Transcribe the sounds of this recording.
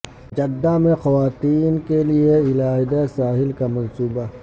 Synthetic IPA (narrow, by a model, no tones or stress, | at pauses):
d͡ʒɐd̪ːamẽxɐʋaːt̪iːnkelieɪlaːɦɪd̪asaːɦɪlkamɐ̃nsuːba